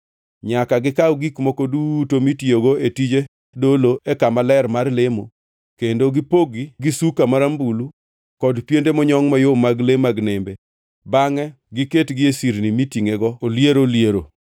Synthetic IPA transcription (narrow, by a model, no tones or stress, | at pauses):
ɲakaɡɪkawɡikmokodutomitjoɡoetid͡ʒe | doloʔekamalɛrmarlemo | kendoɡɪpoɡiɡisukamaɾambulu | kɔdpjendemɔɲɔŋmajomaɡlemaɡnembe | baŋɛ | ɡɪketɡɪesiɾnimitiŋeɡɔoljeɾoljeɾo̰